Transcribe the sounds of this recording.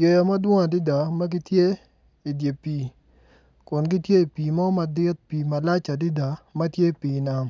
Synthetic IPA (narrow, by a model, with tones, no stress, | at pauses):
jo˨ja˨mɐ˦dwɔ˦ŋa˨dɪ˦d̪a˨mɐ˦k̬ɪ˦t̪je˦ | i˨dje˨pi˨ | kɔ˨nkɪ˦tje˦i˨pi˨mɔ˦mɐ˨d̪ɪ˦t̪̚piː˨mɐ˨la˦t͡ʃa˨dɪ˦d̪a˨mɐ˦tje˦˨piː˨na˨m